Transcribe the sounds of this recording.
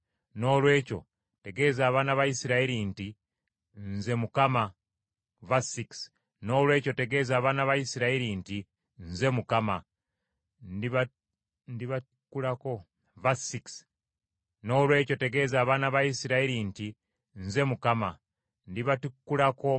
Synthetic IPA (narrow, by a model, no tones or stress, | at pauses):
no̞ːlwe̞ːco̞̰ | te̞ɡe̞ːzaːβaːnaβajisiɾaiɾinti | nze̞mukama | vasiks | no̞ːlwe̞ːco̞te̞ɡe̞zaːβaːnaβajisiɾaiɾinti | nze̞mukama | ndiβatukːulako̞ | vasiks | no̞ːlwe̞ːco̞te̞ɡe̞ːzaːβaːnaβajisiɾaiɾinti | nze̞mukama | ndiβatukːulako